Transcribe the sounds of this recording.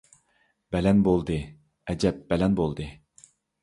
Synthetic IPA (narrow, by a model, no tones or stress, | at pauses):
b̥ɛlɛnbolˠd̪ɨ | ɛd͡ʒɛp̚bɛlɛnbolˠd̪ɨ